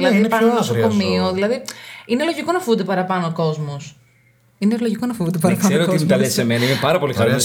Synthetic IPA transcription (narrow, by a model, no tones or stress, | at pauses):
ilɐiipnosokomioðilɐðiinelo̞ʝiko̞nɐfound̪epɐɾɐpɐnoːko̞zmos | ineloʝiko̞nɐfovund̪epɐɾɐpɐseɾoiinek̪ɐlesemenɐinepɐɾɐpo̞lixɐɾos